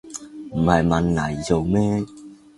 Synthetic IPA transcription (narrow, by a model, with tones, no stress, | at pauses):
m̩˨˩hɐ˨jmɐ˨˧nnɐ˨˩jt͡so˨˧wmɛː˥